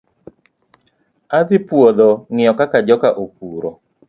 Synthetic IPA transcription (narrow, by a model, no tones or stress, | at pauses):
ad̪ɪpwod̪ɔŋɪjɔkakad͡ʒɔkaʔok̚uɾo